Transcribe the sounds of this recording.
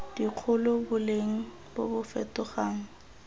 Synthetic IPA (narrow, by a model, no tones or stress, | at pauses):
d̥iq͡χʰʊlʊbʊleŋ̩ | bobʊfɛ̰tʊχaːŋ̩